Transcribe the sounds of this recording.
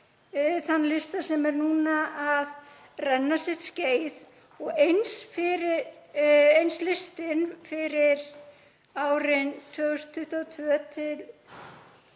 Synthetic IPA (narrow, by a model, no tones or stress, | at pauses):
θanːlɪst̪asɛmɛɾnuːnaʔað | rɛnːasjɛt̪sceːjð | ɔɣejnsfɪɾɪ | ejnslɪst̪ɪnfɪɾɪɾ | aːwɾɪnt̪ʰœːɣʏst̪ʰːʏht̪at̪ʰvœːt̪ʰɪl